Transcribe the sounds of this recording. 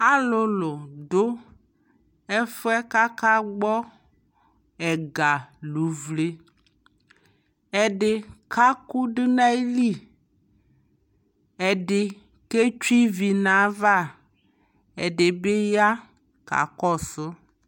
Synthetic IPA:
a˦lʊ˨lʊ˨ɖo˦ | e˦fʊ˦ɛ˦ka˦ka˦ɡ͡bɔ˦ | ɛ˨ɡa˨lu˨vle˦ | ɛ˦ɖɪ˦ka˦ku˦ɖi˦na˦i˦li˦˨ | e˨ɖɪ˨ | ke˦t͡ʃu˦i˦vi˨nã˨va˦˨ | e˨ɖe˨be˦ja˦ | ka̰˨kɔ˦˨sʊ˦

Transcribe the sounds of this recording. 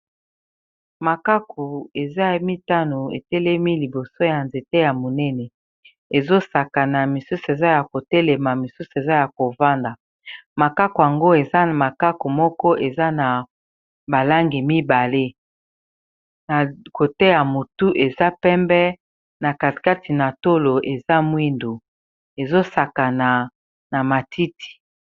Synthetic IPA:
ma˨ka˦ku˨e˨za˦mi˦ta˦no˨ḛ˨tɛ˦lɛ˦mi˦li˨bo˨so˦ja˨nze˨te˦ja˨mo˨nɛ˦nɛ˨ | e˨zo˦sa˨ka˨na˨mi˨su˦se˨za˦ja˨ko˨tɛ˦lɛ˨ma˨mi˨su˦se˨za˦ja˨ko˨va˦nda˨ | ma˨ka˦ko˨a˨ŋɡo˦e˨za˦˨ma˨ka˦ku˨mɔ˦kɔ˦ʔe˨za˦na˨ | ba˨la˦ŋɡi˨mi˦ba˨le˦ | na˨ko˨tɛ˦ja˨mo˨tu˦ʔe˨za˦pɛ˦mbɛ˦ | na˨ka˨ka˦ti˨na˨to˦lo˨ʔe˨za˦mwi˦ndu˨ | e˨zo˦sa˨ka˨na˨ | na˨ma˨tʰi˦tʰi̥˨

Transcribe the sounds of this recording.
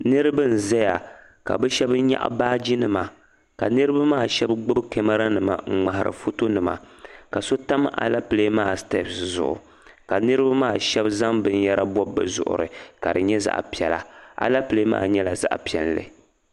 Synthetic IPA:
nɨ˦ɾɨ˦bɨ˦n̩˨zɛ˦ja˨ | ka̰˨bɨ˦ʃɛ˦bɲa̰˦ʔbaː˦d͡ʒi˦nɨ˨ma˨ | ka˨nɨ˦ɾɨ˦ba˦maː˦˨ʃɛ˦bɡ͡bɨ˦bke˦ma˦ɾa˦nɨ˨ma̰˨ŋ͡m̩˨ŋ͡ma˨ɦa˨ɾɨ̰˨fo˦to˦nɨ˨ma̰˨ | ka˨so˦ta˦ma̰˨la˦pɨ˨le˦maː˦˨stḛ˦pszʊ̰˨ʔʊ̰˨ | ka˨nɨ˦ɾɨ˦ba˦maː˦˨ʃɛ˦bza˦ŋbɨ˦n˦ja˦ɾa˦bɔ˦bːɨ̰˨zʊ̰˨ʔʊ̰˨ɾɨ̰˨ka˨dɨ˨ɲɛ˦za̰˦˨ʔpi˨ɛ˨la̰˨ʔa̰˨la˦pɨ˨le˦ma̰ː˦˨ɲɛ˦la˨za̰˦ʔpi˨ɛ˨llɨ̰˨

